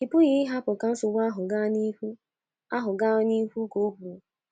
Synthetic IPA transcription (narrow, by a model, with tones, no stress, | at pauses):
ɪ˨pʊ˦ɣɪ˦ɪ˦ɦa˦pʊ˨ka˨n̩˦sʊ˨wa˦ɦʊ˨ɡa˦ni˦hu˦ | a˦ɦʊ˨ɡa˦ni˦ɦu˦ko˨˦ɦu˨o˨